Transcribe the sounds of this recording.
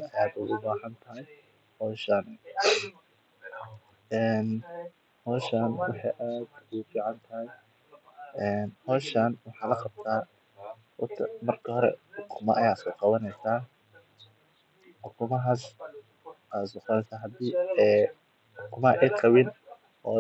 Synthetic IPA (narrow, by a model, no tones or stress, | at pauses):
ɐjaːd̪ʊɣʊbaːhɐnt̪ʰɐɦɛj | hɔːʃan | ɛːn | hɔːʃanwɑħɑjʔaːd̪ʊɣʊfiːʕɑnt̪ʰɐɦɐj | ʔɛːnhɔːʃanwɑħɑːlɐqɑb̚t̪ʰaː | ʊ̰t̪ʰɐmɐrkʰɐhɔɾɛ̰ħʊkʰʊmɐ̰ʔɐjaːsʊqɑβɐnɛjsaː | ħʊkʰʊmɐɦas | aːsɔːqːnɛjsaːɦɐd̪iːɛː | ʔʊkʰʊmɐʔɛqɑwɪn | hɔ̰